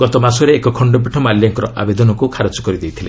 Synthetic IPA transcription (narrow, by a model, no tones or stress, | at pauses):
ɡ̥ɔt̪ɔmasɔɾeːkɔkʰɔɳɖɔp̬iʈʰɔmaljaŋkɔɾɔʔa̰bed̪ɔnɔkukʰaɾɔt͡ʃɔ̥kɔɾid̪ejt̪ʰile